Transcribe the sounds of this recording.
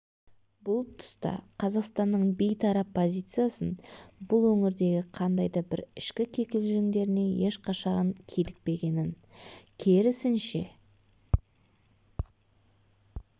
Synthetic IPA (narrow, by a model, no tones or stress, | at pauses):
bʊlˠt̪ʰʊ̥st̪ɑ̰qʰɑzɑqst̪ɑnːəɴbejt̪ʰɑɾɑpʰːo̞zʲijt̪sɨjasənbʊlˠwɵŋɪɾd̪e̞ɡʲɪqʰɑnd̪ɑjd̪ɑbɪɾɪʃkʲɪkʲʰe̞kʲɪlʒɪŋd̪e̞ɾɪne̞je̞ʃqʰɑʃɑʁɑŋkʲʰelɪk̚pe̞ɡʲe̞nɪn | kʲʰeɾɪsɪnʃe̞